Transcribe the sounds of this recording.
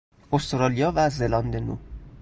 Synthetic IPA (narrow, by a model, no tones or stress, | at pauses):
ost̪ɾɒːlijɒːvæzelɒnd̪enṵ